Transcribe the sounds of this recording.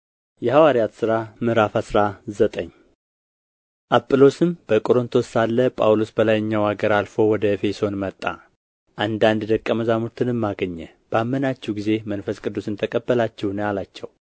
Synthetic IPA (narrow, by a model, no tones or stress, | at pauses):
jɛhawaɾijat̪sɨɾamɨɾafasɨɾazət̪ʼəɲː | ʔapʼːɨlo̞sɨmb̥əkʼo̞ɾɨnt̪ʰo̞salːəpʼawlosbəlajɨɲːawaɡəɾalfo̞wɔd̪əfe̞so̞nmət̪ʼːa̰ | ʔand̪and̪d̪əkʼːəməzamuɾt̪ʰɨnɨmːaɡəɲːɛ | b̥amːənat͡ʃːɛwɡize̞mənfəskʼɨd̪ːusɨnt̪ʰəkʼəbːəlat͡ʃːɛwnəjalat͡ʃːɛw